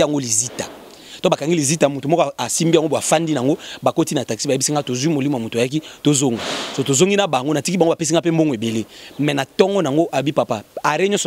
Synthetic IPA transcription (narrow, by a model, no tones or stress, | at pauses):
aŋɡolizita | tobakaŋɡilizitamotomɔkasimbiaŋɡoboafandinaŋɡobakotinataki̥sibaeisiŋɡatozuimolimoamotajak̬itozoŋɡasotozoŋɡinabaŋɡonatikibŋbapesiŋɡapem̩boŋɡebelemɛnatɔŋɡɔnaŋɡoʔaobipapaaɾeɲɔsɔ